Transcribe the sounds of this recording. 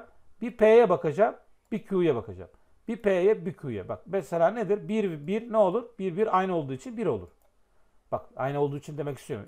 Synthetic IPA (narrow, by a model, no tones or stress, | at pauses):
biɾpʰeːjɛbakad͡ʒam | b̥icʰuːjɛbakʰad͡ʒa̰m | b̥iɾpʰeːjɛbicʰuːjɛ̰ba̰k̚meselʲaːned̪iɾbiɾbiɾnɛo̞lˠuɾb̥iɾbiɾajnɯo̞lˠd̪uːit͡ʃʰinbiɾo̞lˠṵɾ̥ | b̥aka̰jnɯold̪uːit͡ʃʰind̪e̞mɛci̥st̪ijo̞ɾm